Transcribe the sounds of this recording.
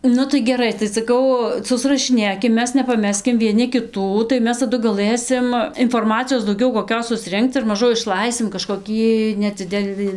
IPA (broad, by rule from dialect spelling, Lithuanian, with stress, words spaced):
ˈnʊ tɐɪ ɡʲɛˈrɐɪ tɐɪ sɐˈkɐʊ sʊsrɐʃʲɪˈnʲeːkʲɪm ˈmʲɛs nʲɛpɐˈmʲæːsʲkʲɪm ʋʲiɛˈnʲɪ kʲɪˈtuː tɐɪ ˈmʲɛs tɐˈdʊ ɡɐˈlˠɘsʲɪm ɪnfoːrˈmɑːt͡sʲɪjoːs dɐʊˈɡʲɛʊ koːˈkʲoːs sʊsʲˈrʲɪŋkt͡s ɪr mɐˈʒʊ ɪʃˈlˠɐɪsʲɪm kɐʃkoːˈkʲiː nʲɛˈd͡zʲɪdʲɛlˠɨ